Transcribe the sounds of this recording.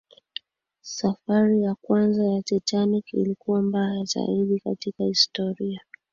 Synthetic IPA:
safaɾijakwanzajatɛtanikḭlikuwambajajaza̰iɗika̰tikahistɔɾia

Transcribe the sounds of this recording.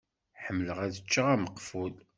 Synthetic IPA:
ħəmːləʁæðət͡ʃːəʁæməqːful

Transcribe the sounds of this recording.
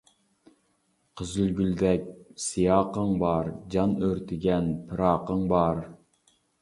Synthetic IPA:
qʰəzylɡʲyld̪ɛk̚ʲsijɑːqəŋbɑɾd͡ʒɑnøɾt̪ʰɪɡʲɛnpʰɨɾɑːqəŋbɑɾ

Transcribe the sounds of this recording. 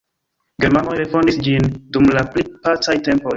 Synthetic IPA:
ɡeɾmanojɾefõndisd͡ʒindumlaplipat͡sajtempoj

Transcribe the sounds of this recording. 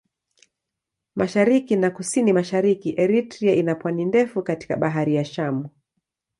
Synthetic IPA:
maʃaɾikinakusinimaʃaɾikiʔɛɾitɾiaʔinapwanindɛfukati̥kaɓaɦaɾijaʃamu

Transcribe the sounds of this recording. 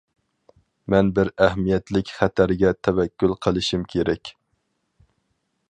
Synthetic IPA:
mɛnbɪɾæhmijɛt̪lɪkʲχæt̪ʰæɾɪɡʲɛt̪ʰɛvɛkʲːulˠqʰəlˠɨʃimkʲʰeɾɛkʲ

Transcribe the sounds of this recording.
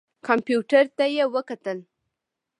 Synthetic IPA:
kɑmpjuʈaɾt̪ajewəkat̪əl

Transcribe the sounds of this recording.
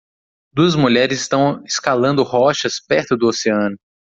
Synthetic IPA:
d̪uɐzmuʎɛɾɪzɪst̪ɐ̃w̃ɪskalɐ̃nd̪ʊhɔʃɐspɛɾt̪ʊd̪ʊoseɐ̃nʊ

